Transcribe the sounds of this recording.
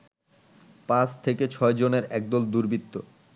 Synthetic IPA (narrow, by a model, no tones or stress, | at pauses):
pãst̪ʰeket͡ɕʰɔed͡ʑoneɾɛk̚d̪old̪uɾbit̪ːo̰